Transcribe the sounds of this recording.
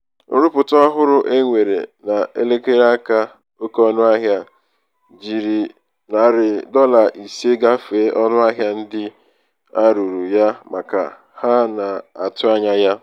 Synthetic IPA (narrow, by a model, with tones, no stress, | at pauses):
ʊ̰˦ɾʊ˦pʊ˨tɔ˦a˦ɦʊ˦ɾʊ˦ʔe˦ŋʷe˨ɾḛ˨na˨e˦le˦ke˦ɾa˦ka˦ | o˦kɔ˦nʊ˦a˦ɦja˦ | d͡ʒi˨ɾi˨ | na˨˦˨ɾɪ˨dɔ˦la˨ʔi˨se˦ɡa˦feː˨˦ʔɔ˦nʊ˦a˦ɦja˦n̩˦dɪ˦ | a˦ɾu˨ɾu˨ja˦ma˨ka̰˨ | ha˦na˨a̰˨tʊ˦a˦ɲa˦ja˦